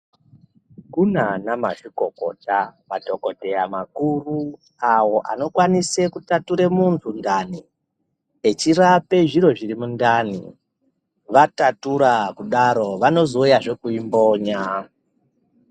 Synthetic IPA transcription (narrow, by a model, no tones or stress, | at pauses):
kunanama̰ʐiko̞ko̞tamado̞ko̞te̞jamakuru | awo̞ʔa̰no̞kwanise̞kutatuɾe̞muntʰundani | et͡ʃirape̞ʐiɾo̞ʐiɾimundanḭ | ʋatatuɾakuɗaɾo̞ʋano̞zo̞ujaʐe̞kuimbo̞ːɲa